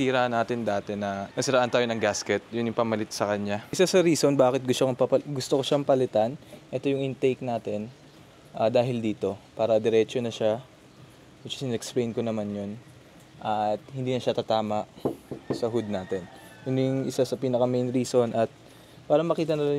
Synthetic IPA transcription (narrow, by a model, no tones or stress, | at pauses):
siːɾaːʔnaːt̪ɪnd̪aːt̪ɛnɐnɐsɪɾaːʔɐnt̪aːjonɐŋɡaskɛt̪̚jʊnjʊŋpɐmɐlɪt̪sɐkɐɲɲaʔɪsasɐɾiːso̞nbaːkɪt̪̚ɡʊst̪okoŋpɐpɐɡʊst̪okoʃampɐlɪt̪anʔɛt̪o̞jʊŋʔɪnt̪ejk̚naːt̪ɛn | ʔad̪aːɦɪld̪iːt̪o̞paːɾɐd̪ɛɾɛt͡ʃonɐʃa | mɐt͡ʃɐ̥sɪnɛksplejnkonɐmanjon | ʔɐt̪̚hɪnd̪iːnɐʃat̪at̪aːmɐʔsɐɦʊd̪̚naːt̪ɛnʔʊnɪjʊŋʔɪsasɐpiːnɐkɐmejnɾiːso̞nʔɐt̪̚ | paːɾɐmɐkiːt̪ɐnɐla